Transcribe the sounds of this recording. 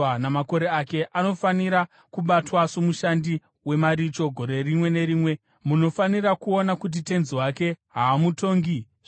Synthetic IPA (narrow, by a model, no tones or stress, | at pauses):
namako̞ɾe̞ake̞ʔano̞faniɾa | kuɓatwasomuʃandi | we̞maɾit͡ʃo̞ɡʱo̞ɾe̞rimwe̞ne̞ɾiːmwe̞ | muno̞fanirakuonakut̬ite̞nziwake̞ɦaːmuto̞ːŋɡi